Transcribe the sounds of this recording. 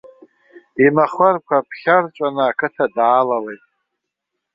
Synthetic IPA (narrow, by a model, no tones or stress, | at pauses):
imaχarkʷʰapʰχʲart͡ʃʷʼanɨakʰɨtʰadaːlawejtʼ